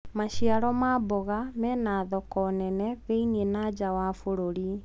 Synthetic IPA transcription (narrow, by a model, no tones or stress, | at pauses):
maʃiaɾɔmaːbɔɣamɛnaːðɔkɔnɛnɛβeinienaːd͡ʑawafoɾoɾi